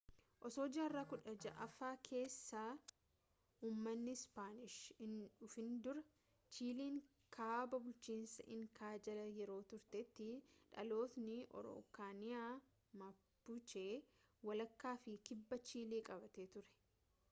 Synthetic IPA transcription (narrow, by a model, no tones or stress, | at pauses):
ʔɔsoːd͡ʒaːrːaːkʊᶑɐd͡ʒɐʔɐfaːkʰe̞ːsːaː | uːmːɐnːɪspaːnɪʃhɪnᶑʊfɪnd̪ʊɾɐ | t͡ʃiːliːŋ | kʰaːbɐbʊlt͡ʃiːnsɐʔɪŋkaːd͡ʒɐlɐjɛɾo̞ːt̪ʊɾt̪ɛt̪ːɪᶑɐ̰lo̞ːt̪nɪʔɔ̰ɾo̰ːkaːnɪaː | mɐbʊt͡ʃeː | wɐlɐkːaːfɪkɪbːɐt͡ʃiːliːkʼɐbɐt̪eːt̪ʊɾɛ̥